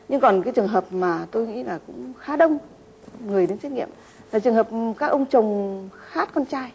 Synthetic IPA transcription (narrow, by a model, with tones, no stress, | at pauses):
ɲɨ˧ŋkɔ˨˩nkaː˨˦jt͡ɕɨ˨˩əŋɦəː˨˩p̚maː˨˩t̪o˧jŋḭ˧˥laː˨˩kʊ̰˧˥ŋ͡mxaː˨˦ɗə˧wŋ͡m | ŋɨ˨˩əjɗe˨˦t͡ɕə˦˥t̚ŋḭ˧˨əm | laː˨˩t͡ɕɨ˨˩əŋhəː˨˩p̚kaː˦˥k̚ʔə˧wŋ͡mt͡ɕə˨˩wŋ͡mxaː˦˥t̚kɔ˧nt͡ɕaː˧j